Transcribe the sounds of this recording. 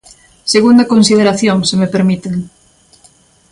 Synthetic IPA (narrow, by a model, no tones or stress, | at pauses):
seɣund̪akonsið̞eɾaθjoŋsemepeɾmit̪eŋ